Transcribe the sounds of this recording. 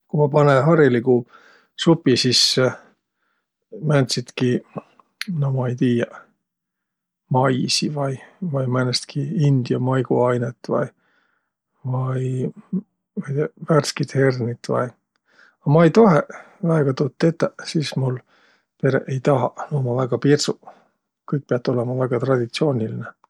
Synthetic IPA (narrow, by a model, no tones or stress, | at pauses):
kumɑpɑneɦɑɾjɑliɡu | supːisis | mænʲt̪sit̪ki | nomɑejt̪iːjɑ | mɑjsivɑjvɑjmænest̪kʰiind̪̥jɑmɑjɡ̥uɑjnet̪ːˑvɑ̰j | vɑj | mɑjt̪eværskit̪he̞rnit̪ːvɑ̰j | ɑmɑejt̪o̞ɦe | væeɡ̥ɑt̪uːt̪ːet̪ːˑɑsismul | pe̞ɾḛʔejt̪ɑɦɑnoːmɑvæɡ̥ɑpirsu | kɤjk̚peɑt̪ːˑo̞lemɑvæɡ̥ɑt̪rɑd̪̥ʲit̪sio̞ːnʲiline